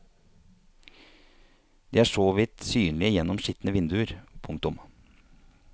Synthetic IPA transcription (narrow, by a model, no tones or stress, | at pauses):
d̪̥ḛːæːʂoːʋɪt̪syːnlɪəjɛnɔmʃɪt̪nəʋɪnd̪ʉəɾpʰʊŋk̚t̪ʊm